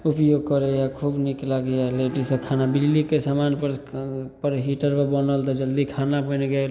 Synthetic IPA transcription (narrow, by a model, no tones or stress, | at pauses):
upjoɡkəɾejakʰubniklaɡejaleʈisəkʰanabillikesamanpəɾpəɾɦiʈəɾpəbənəlt̪ɔd͡ʒəld̪ikʰanabəneɡɛ